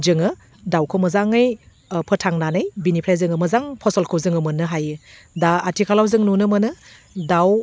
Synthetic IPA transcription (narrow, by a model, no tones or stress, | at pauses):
zɯŋɯ | dawkʰomɐzaŋɯj | pʰɯtʰaŋnanɯjbinipʰɾajzɯŋɯmɐzaŋpʰɔsɔlkʰowzɯŋɯmɯnːɯɦajɯ | daatʰikʰalawzɯŋnunɯmɯnɯ | daw